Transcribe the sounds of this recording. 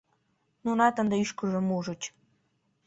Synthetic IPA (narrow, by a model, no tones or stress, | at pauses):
nunɑt̪ə̆nd̪ə̆yʃkəʒə̆muʒə̆t͡ɕ